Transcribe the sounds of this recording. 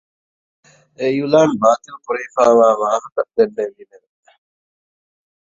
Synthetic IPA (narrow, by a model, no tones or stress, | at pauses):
ejulaːnbaːt̪iupuɾeːfaːʋaːʋaːɦɐt̪ɐʔd̪enːeʋineʋe